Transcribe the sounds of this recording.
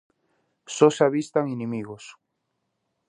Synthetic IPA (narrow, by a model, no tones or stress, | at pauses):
sosaβist̪aŋenɪmiɣos